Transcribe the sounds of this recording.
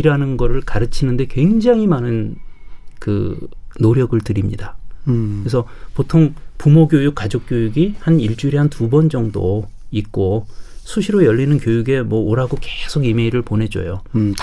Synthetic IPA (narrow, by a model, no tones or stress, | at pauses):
iɾanɯnɡʌɾɯɭkaɾɯt͡ɕʰinɯnde̞kwe̞ŋd͡ʑaŋimanɯn | kɯ̰noɾjʌɡɯɭtɯɾimɲidakesʰʌ | potʰoŋpumoɡjojuk͈̚ːad͡ʑok̚k͈jojuɡihaniɭt͡ɕ͈uiɾiɦantubʌnd͡ʑʌŋdo | ik͈osʰuɕʰiɾojʌʎːinɯnkjojuɡe̞mwʌoɾaɡokesʰoɡime̞iɾɯɭpone̞d͡ʑo̰jo